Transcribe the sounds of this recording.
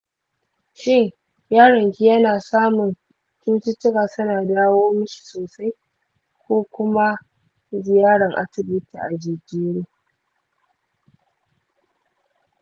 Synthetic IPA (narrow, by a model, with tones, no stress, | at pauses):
ʃɪ˦ŋ | jaː˦ɽɐ˨ŋkʲi˦jɐ˦naː˨saː˦mʊ˨n | t͡ʃuː˦tɪ˦t͡ʃːɪ˦kaː˨sʊ˦naː˨daː˦woː˦mʊ˦ʃi̥˨soː˨sa˦j | kʷoː˦kʷʊ˦ma˦ | zɪ˨jaː˦ɽɐ˨ŋʔa̰˦sɪ˨bʊ˦tḭ˨ʔa˨d͡ʒɪ˨d͡ʒiː˦ɽiː˦